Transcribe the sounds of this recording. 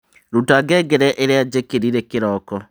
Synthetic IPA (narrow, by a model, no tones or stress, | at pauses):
ɾutaɡɛɡɛɾɛʔeɾead͡ʒekeɾiɾekeɾɔkɔ